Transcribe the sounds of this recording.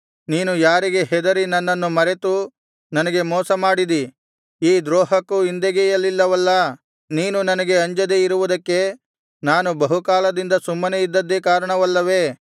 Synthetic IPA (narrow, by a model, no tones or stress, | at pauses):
niːnujaːɾiɡeɦɛd̪ɐɾinɐnːɐnːumɐɾet̪u | nɐnɐɡe̞mɔːsɐmaːɽid̪i | iːd̪ɾɔːɦɐkːuind̪eɡɛjɐlːilːɐʋɐlːɐ | niːnunɐnɐɡe̞ɐɲd͡ʒɐd̪eiɾuʋud̪ɐkːe̞ | naːnubɐɦukaːlɐd̪ind̪ɐsumːɐneid̪ːɐd̪ːekaːɾɐɳɐʋɐlːɐʋe̞ː